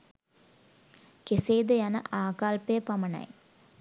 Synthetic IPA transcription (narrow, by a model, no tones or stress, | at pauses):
keseːd̪ɐjɐnɐ̰ʔaːkaːlpeːpɐmɐnɐ̰ɪ